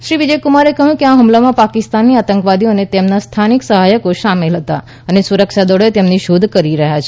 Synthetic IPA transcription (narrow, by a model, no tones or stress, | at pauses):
ʃɾiʋid͡ʒəjkumaɾekəɦjũkeaɦumlamãpakɪst̪anːiat̪əŋkʋad̪ionet̪emnast̪ʰaniksəɦajəkoʃamelɦət̪a | ənesuɾəkʃad̪ɔɽoet̪emniʃud̪ʱkəɾiɾəɦjat͡ʃʰ